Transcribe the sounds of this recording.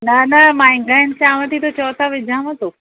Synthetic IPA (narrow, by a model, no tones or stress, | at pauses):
nɐnɐmãĩɡant͡ɕaːʋət̪ʰit̪ot͡ɕɔːt̪aʋɪd͡ʑʱãmə̃t̪oː